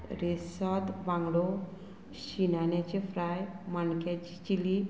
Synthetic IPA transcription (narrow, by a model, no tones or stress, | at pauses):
ɾesat̪ʋãŋɡɽo | ɕinanjat͡ɕefɾajmaɳkat͡ɕi̥t͡ɕili